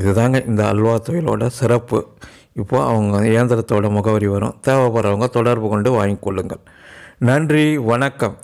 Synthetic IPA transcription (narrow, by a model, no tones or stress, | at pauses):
ɪðɯt̪aːŋɡɐʔɪnd̪ɐɐ̰lːʋaːt̪ɔjɪlo̰ːɽɐsɪɾɐpːɯ̰ | ɪpːoːɐʋɐŋɡɐeːnd̪ɐɾɐt̪ːoːɽɐmʊɣɐʋɐɾiʋɐɾʊ̰̃ːt̪eːʋɐpɐɾɐʋɐŋɡɐɭt̪ɔɽɐɾbɯkɔɳɖɯʋaːjŋɯkːɔɭːɯŋɡɐɭ | nɐndriʋɐɳɐkːɐm